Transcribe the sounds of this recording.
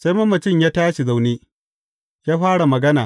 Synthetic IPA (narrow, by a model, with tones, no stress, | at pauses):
sa˦ma˦mːɐ˨t͡ʃɪ˦ɲjaː˦taː˦ʃi˨za˨wneː˦ | jaː˦ɸaː˦ɽa˨mɐ˨ɡɐ˦naː˨